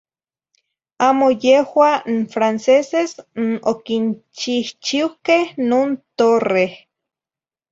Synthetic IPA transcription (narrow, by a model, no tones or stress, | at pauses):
aːmojehwanfɾansesesnokint͡ʃiht͡ʃiwkehnoːnt̪oreh